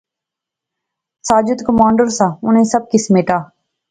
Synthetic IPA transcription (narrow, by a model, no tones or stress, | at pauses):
saːd͡ʒʊt̪kəmaːɳɖəɾsãːʊnẽːsəb̚kɪsmeːʈaː